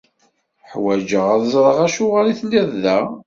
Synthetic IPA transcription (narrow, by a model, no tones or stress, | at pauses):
ħwæd͡ʒəʁæðzˤɾˤəʁæʃʊʁaliθnd̪æððæ